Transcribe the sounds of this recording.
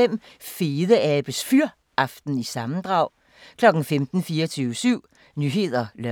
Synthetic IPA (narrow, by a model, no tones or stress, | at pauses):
em̰fe̝ːðˠəæb̥əsfyɐ̰ | ɑ̈fd̥n̩isɑ̈mn̩d̥ʁɑ̈ʊ̰ | kʰlɒ̽ɡ̥n̩femd̥n̩fiːɐt͡sʰyːʊsyʊ̰ | nyɦe̝ðˠɐlɶ